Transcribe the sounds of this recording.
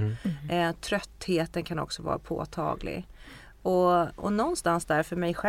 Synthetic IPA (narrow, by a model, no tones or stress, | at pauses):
t̪ʰɾœt̪ːheːt̪ənkʰanɔ̰ksɔvɑ̰ːɾa̰pʰo̰ːt̪ʰɑ̰ːɡlɪ̰ | ɔɔ̰nɔnst̪ansd̪æɾfœɾmɛjɧɛ